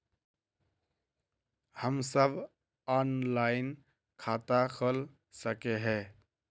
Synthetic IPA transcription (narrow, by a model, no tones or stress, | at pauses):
həmsəbʱ | ɔːnlaːɪn | kʰaːt̪akʰəl | səkeɦɛː